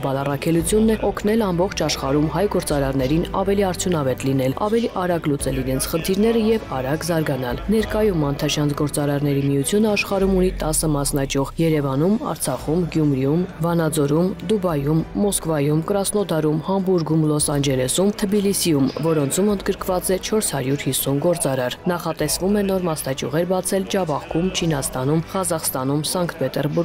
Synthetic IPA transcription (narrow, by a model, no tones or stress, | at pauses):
bɑlɑrɑkʰɛlut͡sʰjunːɛɔkʰn̪ɛlɑmbɔχt͡ʃʰɑʃχɑɾumhɑjɡɔɾt͡sɑɾɑɾnɛɾinɑ̰vɛliɑɾt͡sʰjun̪ɑvɛt̪lin̪ɛlɑ̰vɛliʔɑɾɑɡlut͡sɛliɾɛnt͡sʰχənt̪ʰiɾnɛɾəjɛvɑɾɑɡzɑɾɡɑnɑlnɛɾkɑjumɑnt̪ʰɑʃjɑnt͡sɡɔɾt͡sɑɾɑɾnɛɾimijut͡sʰjunəɑʃχɑɾumunit̪ɑsəmɑsnɑt͡ʃɔʁjɛɾɛvɑnumɑ̰ɾt͡sʰɑχumɡjumɾijumvɑnɑd͡zɔɾumd̪ubɑjumːɔskvɑjumkɾɑsnɔd̪ɑɾumhɑmbuɾɡumlɔsɑnd͡ʒɛlɛsumt̪ʰəbilisijumvɔɾɔnt͡sʰumənd̪ɡəɾkvɑt͡sɛt͡ʃʰɔɾshɑɾjuɾhisːunɡɔɾt͡sɑɾɑɾnɑχɑt̪ɛsvumɛn̪ɔɾmɑsnɑt͡ʃṵʁɛɾbɑt͡sʰɛld͡ʒɑvɑχkʰumt͡ʃʰinɑst̪ɑnumʁɑzɑχst̪ɑnumsɑŋkt̪pɛt̪ɛɾbuɾɡ